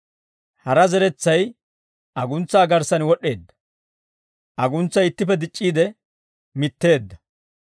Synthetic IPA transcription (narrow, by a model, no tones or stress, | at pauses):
hɐɾɐzɛɾɛt͡sːɐj | ʔɐɡʊnt͡sːaːɡɐɾsɐnwɔɗːe̞ːd̪ːɐ̥ | ʔɐɡʊnt͡sːɐjɪt̪ːɪpːɛd̪ɪt͡ʃʼːiːd̪ɛ | mɪt̪ːe̞ːd̪ːɐ